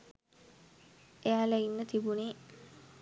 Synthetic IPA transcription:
eaːleinːət̪ibuniː

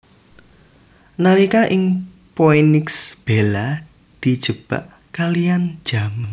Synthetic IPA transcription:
naɾikaʔɪŋ | poenɪksb̥ela | d̪̥i̤d̥ʒ̥əb̥a̰ʔ | kalijand̥ʒ̥a̤maŋ

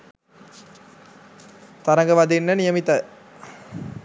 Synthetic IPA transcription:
t̪aɾəŋɡəʋad̪inːənijəmit̪ə

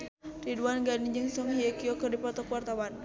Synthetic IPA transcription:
riduanɡanid͡ʒɨŋsɔŋhiakiɔkərdipɔt̪ɔkwart̪awan

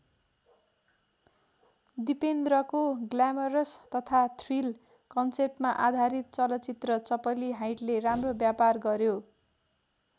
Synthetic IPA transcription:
d̪ipend̪rʌkoɡlamʌɾʌst̪ʌt̪ʰat̪ʰril | kʌnsep̚ʈmaʔad̪ʱaɾit̪̚t͡sʌlʌt͡sit̪rʌt͡sʌpʌliɦajʈleramrobjaparɡʌɾjo

